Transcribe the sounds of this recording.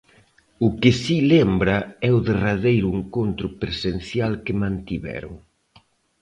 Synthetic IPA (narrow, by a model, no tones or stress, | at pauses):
ʊkɪsilembɾɐɛʊðeraðejɾʊeŋkont̪ɾʊpɾesen̟θjalkɪmãnt̪iβɛ̰ɾʊ̰ŋ